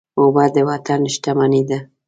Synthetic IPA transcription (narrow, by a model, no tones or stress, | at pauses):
obad̪əwat̪anʃʈ̪amanid̪a